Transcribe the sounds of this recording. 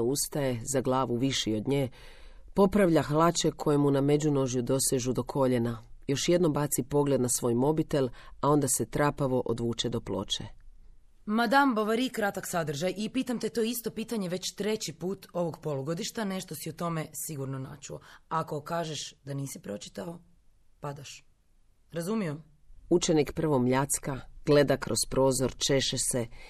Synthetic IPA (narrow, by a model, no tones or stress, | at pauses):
ust̪aje̞zaɡlˠaːʋuʋiʃio̞d̪ɲeː | po̞pɾaʋʎaxlˠat͡ʃe̞kʰo̞jemuname̞d͡ʑuno̞ʒjud̪o̞seʒud̪o̞kʰo̞ʎe̞najo̞ʃje̞d̪nombat̪sipo̞ɡle̞d̪nasʋo̞ːjmo̞bit̪e̞lao̞nd̪ase̞t̪ɾaːpaʋo̞ʔod̪ʋuːt͡ʃe̞d̪o̞plo̞̰t͡ʃḛ | mad̪amboʋaɾikɾat̪aksad̪r̩ʒajipiːt̪amt̪et̪oːist̪o̞piːt̪aɲe̞ʋe̞t͡ɕt̪ɾe̞t͡ɕipuːt̪o̞ʋoɡpolˠuɡo̞d̪iʃt̪ane̞ʃt̪osiot̪o̞me̞siɡuɾnonat͡ʃuoako̞kaːʒeʃd̪aniːsipɾo̞t͡ʃi̥t̪ao | pad̪aʃ | ɾazumijo̞m | ut͡ʃenikpr̩ʋo̞mʎat̪skaɡ̥le̞d̪akɾospɾo̞ːzo̞ɾt͡ʃe̞ʃese